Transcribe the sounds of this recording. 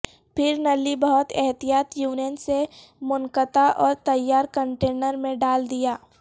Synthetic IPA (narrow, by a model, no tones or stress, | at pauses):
pʰɪɾnɐlibɐɦʊt̪ɛɦt̪ijaːt̪juːnijənse | mʊnkət̪aʔɔːɾt̪ɐjːaːɾkə̃ɳʈeːnəɾmẽɖaːld̪ijaː